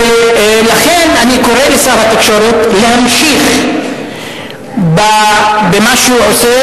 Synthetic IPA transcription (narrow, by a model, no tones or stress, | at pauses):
laχenaniko̞ʁelesabhat̪ekʃoɾot̪leɦamʃiχ | babemaʃʕose